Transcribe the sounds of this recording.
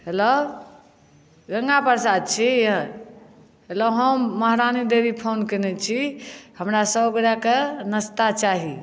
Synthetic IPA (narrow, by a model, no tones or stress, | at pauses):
helə | ɡəŋɡapəɾsad̪̚t͡ʃʰij | ɦeləɦəmːəɦɾanid̪ebipʰonkenɛt͡ʃʰihəmɾasəboɡɾakenəst̪at͡ʃaɦi